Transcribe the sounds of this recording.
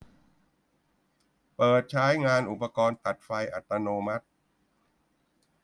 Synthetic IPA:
pɤː˨˩t̪̚t͡ɕʰaː˦˥jŋaː˧nʔu˨˩pːa˧kɔː˧nt̪a˨˩t̪̚fa˧jʔa˨˩t̪ːa˧noː˧ma˦˥t̪̚

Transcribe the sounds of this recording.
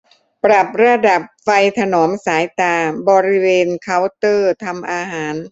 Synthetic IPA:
pɾa˨˩p̚ɾa˧da˨˩p̚fa˧jt̪ʰa˧nɔː˩˦msaː˩˦jt̪aː˧bɔː˧ɾi˦˥weː˧nkʰa˦˥˩wt̪ɤː˥˩t̪ʰa˧mʔaː˧ɦaː˩˦n

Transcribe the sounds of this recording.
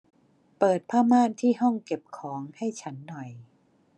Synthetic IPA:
pɤː˨˩t̪̚pʰaː˥˩maː˥˩nt̪ʰiː˥˩ɦɔ˥˩ŋke˨˩p̚kʰɔː˩˦ŋha˥˩jt͡ɕʰa˦˥nːɔ˨˩j

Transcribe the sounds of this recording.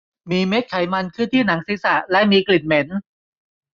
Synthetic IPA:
miː˧me˦˥t̪̚kʰa˩˦jma˧nkʰɯ˥˩nt̪ʰiː˥˩na˩˦ŋsiː˩˦sa˨˩lɛ˦˥miː˧kli˨˩t̪̚me˩˦n

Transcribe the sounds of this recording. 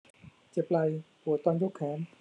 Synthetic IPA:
t͡ɕe˨˩p̚la˧j | hu˨˩˦t̪ɔ˧nd͡ʑo˦˥˩kʰːɛː˩˦m

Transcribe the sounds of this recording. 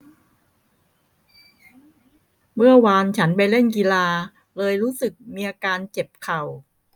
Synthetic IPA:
mɯ˥˩ɐwaː˧nt͡ɕʰa˦˥npa˧jle˥˩nki˧laː˧ | lɤː˧jɾuː˦˥sɯ˨˩k̚miː˧ʔaː˧kaː˧nt͡ɕe˨˩p̚kʰa˨˩w

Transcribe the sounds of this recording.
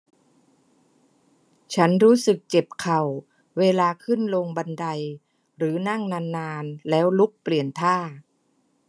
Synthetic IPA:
t͡ɕʰa˦˥nɾuː˦˥sɯ˨˩k̚t͡ɕe˨˩p̚kʰa˨˩w | weː˧laː˧kʰɯ˥˩nlo˧ŋba˧nda˧j | ɾɯː˩˦na˥˩ŋnaː˧nːaː˧nlɛː˦˥wlu˦˥k̚pli˨˩ənt̪ʰaː˥˩

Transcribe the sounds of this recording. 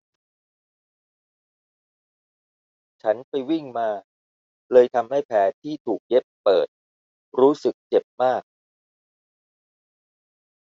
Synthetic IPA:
t͡ɕʰa˦˥npʰa˧jwi˥˩ŋmaː˧ | lɤː˧jt̪ʰa˧mha˥˩jpʰɛː˩˦t̪ʰiː˥˩t̪ʰuː˨˩k̚je˦˥pːɤ̰ː˨˩t̪̚ | ɾuː˦˥sɯ˨˩k̚t͡ɕe˨˩p̚maː˥˩k̚

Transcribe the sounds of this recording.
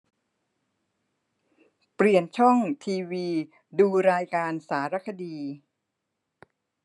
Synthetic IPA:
pli˨˩ənt͡ɕʰɔ˥˩ŋt̪ʰiː˧wiː˧ | duː˧ɾaː˧jkaː˧nsaː˩˦ɾa˦˥kʰa˧diː˧

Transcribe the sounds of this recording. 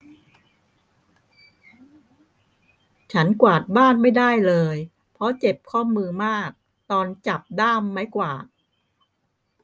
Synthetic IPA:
t͡ɕʰa˦˥nkwaː˨˩t̪̚baː˥˩nma˥˩jdaː˥˩jlɤː˧j | pʰɾɔ˦˥t͡ɕe˨˩p̚kʰɔː˥˩mɯː˧maː˥˩k̚ | t̪ɔː˧nt͡ɕa˨˩p̚daː˥˩mːa˦˥jkwaː˨˩t̪̚

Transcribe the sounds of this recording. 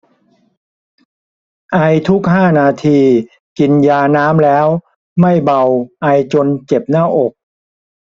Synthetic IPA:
ʔa˧jt̪ʰu˦˥k̚haː˥˩naː˧t̪ʰiː˧ | ki˧njaː˧naː˦˥mlɛː˦˥w | ma˥˩jba˧wʔa˧jt͡ɕo˧nt͡ɕe˨˩p̚naː˥˩ʔo˨˩k̚

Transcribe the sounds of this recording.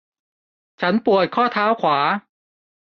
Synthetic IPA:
t͡ɕʰa˦˥npu˨˩ət̪̚kʰɔː˥˩t̪ʰaː˦˥wkʰwaː˩˦

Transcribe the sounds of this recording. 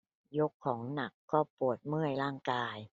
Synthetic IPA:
jo˦˥kʰːɔː˩˦ŋna˨˩kːɔː˥˩pu˨˩ət̪̚mɯ˥˩əjɾaː˥˩ŋkaː˧j

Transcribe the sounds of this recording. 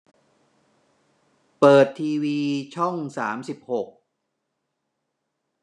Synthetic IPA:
pɤː˨˩t̪ʰːiː˧wiː˧t͡ɕʰɔ˥˩ŋsaː˩˦msi˨˩p̚ho˨˩k̚

